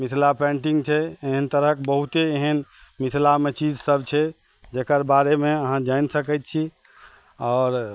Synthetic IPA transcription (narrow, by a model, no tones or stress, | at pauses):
misʰlapɛ̃ɳʈiŋɡt͡ʃʰɛeɦənt̪əɾəkbəɦut̪eeɦənmisʰlamet͡ʃid͡ʒsəbt͡ʃʰɛ | d͡ʒekəɾbaɾemeəɦãd͡ʒaɪnsəkɛt̪̚t͡ʃʰi | ɔːɾ